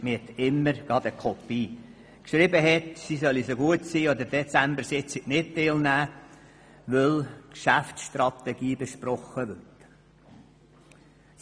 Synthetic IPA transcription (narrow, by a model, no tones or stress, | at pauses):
mɪhɛt̪ɪmːəɾɡ̥ɑd̪əkʰɔpːiː | kʃɾibəɦɛt̪sisœlisoɡuət̪siːɔd̪əɾd̥̪ɛt͡sæmbəɾsiɪt͡siʔnɪt̚t̪elnæː | ʋœlkʃæftsʃt̪ɾɑt̪ɛɡiːbeʃpɾɔχːəʋørt